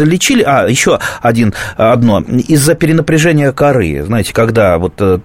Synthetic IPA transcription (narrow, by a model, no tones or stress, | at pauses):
əlʲɪt͡ɕilʲɪʔajɪɕːo̞ɐdʲinɐd̪no̞izːəpʲɪɾʲɪnəpɾʲɪʐɛnʲɪjəkɐɾɨ̰znajɪtʲɪ̥kɐɡd̪avo̞t̪ː